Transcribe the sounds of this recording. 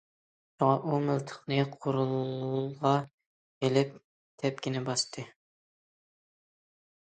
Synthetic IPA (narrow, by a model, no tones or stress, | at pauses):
ʃuŋɑʔumylt̪ʰə̥χnɨqʰʊɾulˠʁɑ | elɪp̚ | t̪ʰɛp̚kʲinɛbɑst̪ʰɨ